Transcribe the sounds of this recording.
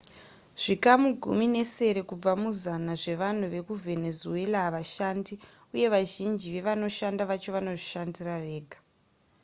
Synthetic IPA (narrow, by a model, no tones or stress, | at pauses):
ʐ̥ikamuɡʱṵmine̞se̞ɾe̞kub͡vamuzanaʐe̞ʋan̤uʋe̞kuvʱe̞ne̞zue̞laːʋaʃandi | uje̞ʋaʒind͡ʒiʋe̞ʋano̞ʃandaʋat͡ʃoʋano̞ʐiʃandiraʋe̞ːɡʱḁ